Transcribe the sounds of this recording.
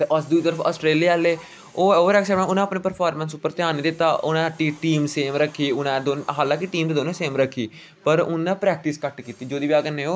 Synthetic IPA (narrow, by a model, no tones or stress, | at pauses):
t̪eːʔasd̪uit̪əɾəpa̰ːsʈɾeːliːaːleː | oːoːɾɛːksɛːãʊnãːəːpnẽːpəɾpʰaːɾmənsʊpːəɾt̪ɪjaːnːiːd̪ɪt̪ːaːʔʊnãːʈiːʈiːmseːmɾəkʰːiːʊnãd̪oːnɦaːlãːŋkiʈiːmd̪eːd̪oːnẽːseːmɾəkʰːiː | pəɾʊnãːpɾɛːk̚ʈɪskəʈkiːt̪iːd͡ʒoːd̪iːʋiaːɡənːẽːoː